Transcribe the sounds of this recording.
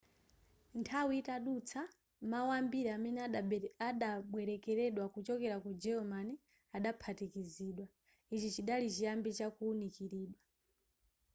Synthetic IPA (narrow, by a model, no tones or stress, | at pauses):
ntʰawiitaɗut͡sʰa | mawambiɾɛamɛnɛaɗaɓwɛɾɛkɛɾɛɗwakut͡ʃɔkɛɾakud͡ʒɛɔmani | aɗapʰatikiziːɗwa | it͡ʃit͡ʃiɗalit͡ʃijambit͡ʃakuːnikiɾiːɗwa